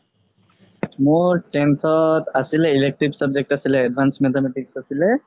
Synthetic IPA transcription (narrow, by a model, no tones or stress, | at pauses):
mʊɹʈɛntʰɔtasilɛilek̚ʈɹibsab̚d͡ʒek̚ʈasilɛːd̚bʱansmɛt̪ʰɔmɛʈiksasilɛ